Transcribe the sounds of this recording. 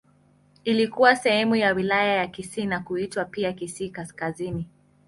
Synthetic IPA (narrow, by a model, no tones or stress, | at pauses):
ilikuwasɛhɛmujawilajajakisiːnakuitwapiakisiːkaskazini